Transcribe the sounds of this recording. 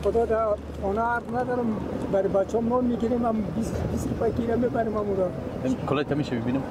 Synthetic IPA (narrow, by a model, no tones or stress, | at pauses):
χɔd̪ɔd̪a | ɔnaaɾznad̪ɔɾumbaɾibat͡ʃɔmnɔnmiɡiɾemambisbisɾupakiɾamebaɾimamuɾaakʰɔlat̪ʰamiʃabibinim